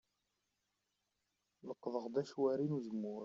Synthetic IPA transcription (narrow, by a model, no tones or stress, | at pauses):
ləqːðˤəʁd̪æʃwæɾinuzəmːʊɾ